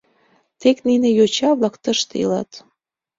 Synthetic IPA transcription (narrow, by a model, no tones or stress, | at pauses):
t̪ekninĕjot͡ɕɑβlɑkt̪əʃt̪eḭlɑ̰t̪